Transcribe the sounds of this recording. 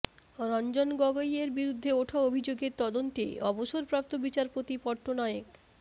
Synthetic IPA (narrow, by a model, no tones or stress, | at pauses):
ɾɔnd͡ʑonɡɔɡojeɾbiɾud̪ʱːeoʈʰaobʱid͡ʑoɡeɾt̪ɔd̪ont̪ḛɔboʃoɾpɾap̚t̪obit͡ɕaɾpot̪ipɔɾʈonɔeek